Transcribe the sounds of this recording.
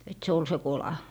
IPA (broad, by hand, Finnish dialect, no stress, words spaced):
et se ol se kolɑ